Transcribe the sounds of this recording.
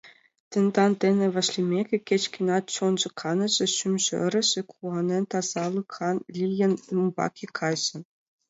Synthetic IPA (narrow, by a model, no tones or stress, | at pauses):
t̪ʲɘ̆nd̪ɑnt̪ʲenʲɘ̆ʋʲɑ̆ɕlʲimʲeɡʲɘ̆kʲet͡ɕkʲinɑt̪t͡ɕond͡ʑɤ̆kʰɑnɤ̆ʑɘ̆ɕymʲʑɘ̰̆ɘ̰̆ɾʲɘ̆ʑɘ̆kʰuɑnʲenʲt̪ɑz̥ɑlˠɯkʰɑnlʲijɘ̆numbɑ̰kʲikʰɑjʑɘ̆